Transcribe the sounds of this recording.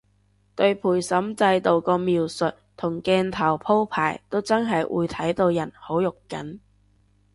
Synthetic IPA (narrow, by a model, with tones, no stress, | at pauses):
t̪ɵ˧ɥpʰuː˨˩jsɐ˨˥mt͡sɐ˧jt̪o˨˧wkɔː˧miː˨wsɵ˨t̚t̪ʰʊ˨˩ŋkɛː˧nt̪ʰɐ˨˩wpʰo˥wpʰaː˨˩jt̪o˥wt͡sɐ˥nɦɐ˨jwʔṵː˨˧jt̪ʰɐ˨˥jt̪o˧wjɐ˨˩nho˨˥wjʊ˨kːɐ̰˨˥n